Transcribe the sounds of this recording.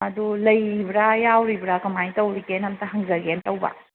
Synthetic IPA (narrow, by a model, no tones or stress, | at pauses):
ɐdulɐjbiɾajawɾibʱɾakɐmajtɐwɾikenɐmtɐɦɐŋzɐɡentɐwbɐ̰